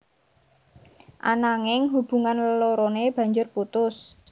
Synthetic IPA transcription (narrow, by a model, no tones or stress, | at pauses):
ʔa̰naŋɪŋɦub̥ṳŋanləloɾoneb̥ä̤ɲd͡ʒʊrput̪ʊs